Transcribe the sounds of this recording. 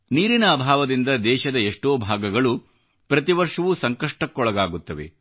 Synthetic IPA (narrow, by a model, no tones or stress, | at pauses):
niːɾinɐːbʱaːʋɐd̪ind̪ɐd̪ɛːʃɐd̪ɐeʂʈoːbʱaːɡɐɡɐɭu | pɾɐt̪iʋɐɾʂɐʋusɐŋkɐʂʈɐkːɔɭɐɡaːɡut̪ːɐʋe̞̰